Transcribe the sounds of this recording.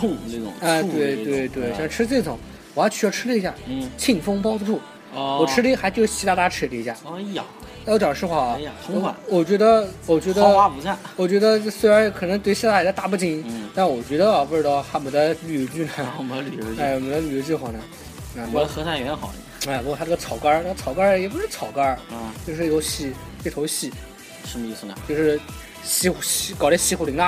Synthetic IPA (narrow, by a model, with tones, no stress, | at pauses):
ʊ˥˧ŋne˥˩ʊ̰˨˩ŋa˧t̪we˥ɪwe˥˩ɪt̪we˥˩ɪɕʈ͡ʂʰɻ̩˥t͡se˥˩˧t͡sʊ˨˩˦ŋ | wɔ˨˩jt͡ɕʰy˧˥jɑ˥˩ʊʈ͡ʂʰɻ̩˥ə˧i˧˥ɕja˥˩˥t͡ɕʰi˥˩ŋfɤ˥ŋpɑ˥ʊə˧ʈ͡ʂʰu˥˩˧ | wɔ˨˩ʈ͡ʂʰɻ̩˥lə˧i˥˩xa˧˥ɪt͡ɕjo˥˩ʊt͡ɕʰi˧˥a˥˧t̪a˥ʈ͡ʂʰɻ̩˥˩˥lə˧i˧˥ɕja̰˥˩˧ | ʊʈ͡ʂjɑ˨˩ŋʈ͡ʂʂʰɻ̩˥xwa˥˩˧ŋ˧˩wa̰˥˩wɔ˨˩t͡ɕɥɛ˧˥d̪ə˧wɔ˨˩t͡ɕɥɛ˧˥d̪ə˧˥˧wa˥˧pu˧˥sʰa˥˩wɔ˨˩t͡ɕɥɛ˧˥d̪ə˧˥swe˥ɪɻa˧˥n˥˩kʰɤ˨˩nɤ˧˥ŋt̪we˥˧ɪɕjɛ˥˧t̪a˥˩˨a˥t̪a˥˧pu˥˩t͡ɕi˧˥t̪ʂ̩˥˩wɔ˨˩t͡ɕɥɛ˧˥d̪ə˧˩pu˥˩ʈ͡ʂɻ̩˥t̪ɑ˥˧ʊxa˥˩mə˧˩nd̪ə˧ly˨˧˥t͡ɕy˥˩nə˩˥m˧˩˧ly˨˩˧a˥˧˩wɔ˨˩mə˧˩d̪ə˧ly˨˩ɔ˧˥t͡ɕy˥˩xwa˨˩nə˩ | na˧˩u˧˥˩xɤ˧˥sʰa˥˩jɛ˧˥ɛ˥xɑ˨˩ʊə˧a˥˩pu˧˥kt̪ʰʈ͡ʂə˥ɡə˧t͡sʰɑ˨˩ʊka˥˧t͡sʰɑ˨˩ʊka˥jɛ˨˩p̬u˧˥ʂɻ̩˥˩t͡sʰɑ˨˩ʊka˥˩t͡ɕjo˥˧ʂɻ̩˥˩˥o˧˥ʊɕi˥˩ | pt̪ʰo˧˥ʊɕi˥˩ | ʂə˧˥mə˧i˥˩s̩˧˩ə˩t͡ɕjo˥˧ʊʂɻ̩˥˩ | ɕi˧˥˧ɕkɑ˨˩ʊɾɛ˥ɕi˧˥xu˧˩li˧˥ŋt̪a˥˩